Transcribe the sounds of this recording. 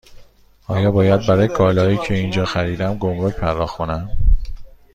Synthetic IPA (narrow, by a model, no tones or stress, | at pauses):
ɒːjɒːbɒːjæd̪̚bæɾɒːjekʰɒːlɒːiːcʰe̞ind͡ʒɒːxæɾiːd̪æmɡomɾocpʰæɾd̪ɒːxkʰo̞næm